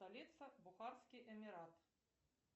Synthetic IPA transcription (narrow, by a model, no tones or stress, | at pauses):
t̪alʲit̪sɐbuxarskʲiʔɛmʲiɾat̪